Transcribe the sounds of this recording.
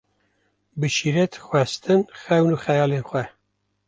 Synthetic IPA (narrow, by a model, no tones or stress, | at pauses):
bɨʃiɾɛt̪xwɛst̪ɨnxɛwnuːxɛjɑːlenxʷɛ